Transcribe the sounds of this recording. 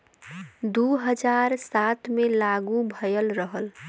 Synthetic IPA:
d̪uɦəd͡ʒaɾsat̪ʰmelaɡubʱəjəlɾəɦəl

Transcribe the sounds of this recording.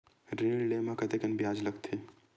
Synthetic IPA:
ɾeːɽlemãkɐt̪ekɐnbjaːd͡ʒlɐkt̪ʰiː

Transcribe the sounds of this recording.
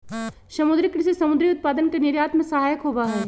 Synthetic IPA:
ʃɐmʊd̪ɾɪkːɾɪsisɐmʊd̪ɾiʊt̪̚paːd̪ənkenɪɾjaːt̪mẽsɐɦaːjəkɦoːbaɦɛː

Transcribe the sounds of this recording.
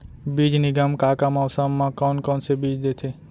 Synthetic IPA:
biːd͡ʒnɪɡəmkaːkamɔːsəmːãkɔːnkɔːnsebiːd͡ʒd̪et̪ʰe

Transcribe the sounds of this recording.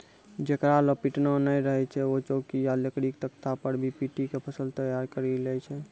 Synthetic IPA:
d͡ʒekɾaləpiʈnənajɾəɦɛt͡ʃʰɛot͡ʃokijalekɽikt̪əkt̪apəɾbʱipiʈikepʰəsəlt̪əjaɾkəɾilɛjt͡ʃʰɛ

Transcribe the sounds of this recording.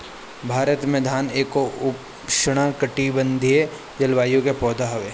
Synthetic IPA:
bʱaːɾət̪med̪ʱaːneːkoʊp | ʃəɽ̃akəʈibə̃nd̪ʱie | d͡ʒɐlʋaːjõkepɔːd̪ʱaɦɐʋeː

